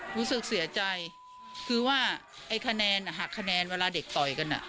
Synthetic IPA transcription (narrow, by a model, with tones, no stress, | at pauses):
ɾuː˦˥sɯ˨˩k̚si˨˩˦ɐt͡ɕa˧j | kʰɯː˧waː˥˩ | ʔa˧˩jkʰa˧nɛː˧na˨˩ɦaː˨˩kʰːa˧nɛː˧nweː˧laː˧˥de˨˩k̚t̪ɔ˨˩jka˧nʔa̰˨˩ʔ